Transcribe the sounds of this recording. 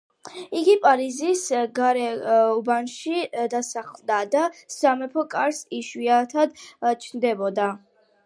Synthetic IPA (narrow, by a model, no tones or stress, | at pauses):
iɡipʼaɾizisɡaɾɛubanʃid̪asaχlˠd̪ad̪asamɛpʰɔkʼaɾsiʃwiat̪ʰad̪t͡ʃʰnd̪ɛbɔd̪a